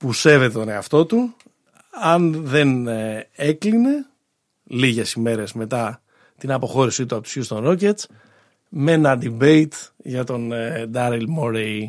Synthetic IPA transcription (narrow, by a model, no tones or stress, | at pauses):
puse̞ve̞t̪e̞t̪o̞ne̞ɐft̪o̞t̪u | ɐnðe̞n | e̞kline̞ | liʝe̞sime̞ɾe̞zme̞t̪ɐ | t̪inɐpo̞xo̞ɾisit̪̬uɐpo̞t̪u̥sçust̪onocet͡s | me̞nɐd̪ibe̞it̪ʝɐt̪o̞nd̪ɐɾilmoɾei